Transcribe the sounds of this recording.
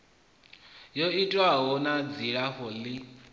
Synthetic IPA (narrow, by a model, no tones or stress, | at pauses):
jɔitʼwaɦɔnad͡ziɺaɦɔlɪ